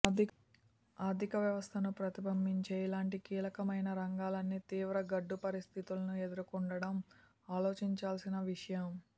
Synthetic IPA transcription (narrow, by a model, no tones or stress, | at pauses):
aːɾd̪ʱikɐʋjɐʋɐst̪ʰɐnupɾɐt̪ibʱɐmbiɲt͡ʃeːilaːɳʈikiːlɐkɐmɐjnɐɾɐŋɡaːlɐnːit̪iːʋɾɐɡɐɖːupɐɾist̪ʰit̪ulɐnue̞d̪uɾukuɳɖɐɽɐm | aːloːt͡ʃiɲt͡ʃaːlsinɐʋiʂɐjɐm